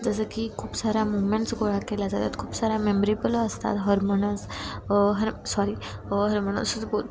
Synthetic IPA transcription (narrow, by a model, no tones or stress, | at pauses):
d͡zəs̬əkikʰuːpsaɾamumẽɳʈsɡoɭakelad͡zat̪a̰t̪kʰuːpsaɾamemɾipələəst̪a̰t̪ɦəɾmonəs | ɦəɾsaɾi | ɦəɾmonə̰sət͡sbo